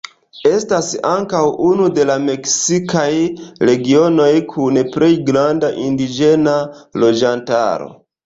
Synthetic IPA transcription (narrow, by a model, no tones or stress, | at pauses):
e̞stasaŋkawunude̞lame̞ksikajɾe̞ɡio̞no̞jkʰunpɾe̞jɡɾandaʔindid͡ʒe̞nalo̞d͡ʒanta̰ɾo̞̰